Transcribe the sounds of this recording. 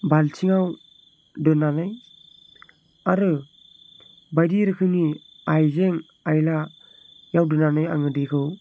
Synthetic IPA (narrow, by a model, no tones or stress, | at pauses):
balt͡ʃʰiŋaw | dɯnanaj | aɾɯ | bajdiɾɯkʰɯni | ajzeŋ | ajla | jawdɯnanaja̰ŋɯdikʰɯw